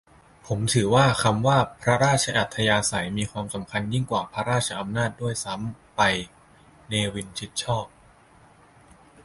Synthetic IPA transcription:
pʰo˩˦mt̪ʰɯː˩˦waː˥˩ka˧mwaː˥˩pʰɾa˦˥ɾaː˥˩t̪̚t͡ɕʰa˧ʔa˨˩t̪ʰːa˧jaː˧sa˩˦jmiː˧kʰwaː˧msa˩˦mkʰa˧nji˥˩ŋkwaː˨˩pʰɾa˦˥ɾaː˥˩t̪̚t͡ɕʰa˧ʔa˧mnaː˥˩t̪̚du˥˩əjsa˩˦˥m | pa˧j | neː˧wi˧nt͡ɕʰi˦˥t̪̚t͡ɕʰɔː˥˩p̚

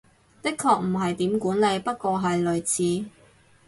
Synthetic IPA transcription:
t̪ɪ˥kʰːɔː˧k̚m̩˨˩ɦɐ˨jt̪iː˨˥mkuː˨˥nle˧jpɐ˥t̚kʷɔː˧ɦɐ˨jlɵ˨ɥt͡sʰiː˨˥

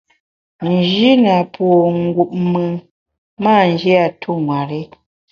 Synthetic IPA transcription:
n˨d͡ʒi˦na˨pwo˨ŋ̩˦ɡu˨p̚mɨ˨ | maː˦˨n˨d͡ʒi˦a˨tʰu˦˨ŋwa˨ɾe˦

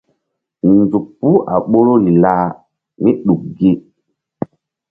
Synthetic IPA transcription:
nzu˨kpːu˦a˨ɓo˦ɾo˦ɾi˨laː˦ | me˦ɗu˨k̚ɡe˦

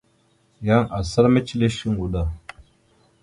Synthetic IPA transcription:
ja˦ŋa˨sa˦ɾme˦t͡ʃi˦le˦ʃi˦ŋwu˨da˨

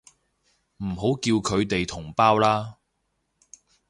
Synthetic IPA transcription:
m̩˨˩ɦo˨˥wkiː˧wkʰɵ˨˧ɥt̪e˨jt̪ʰʊ˨˩ŋpaː˥wlaː˥

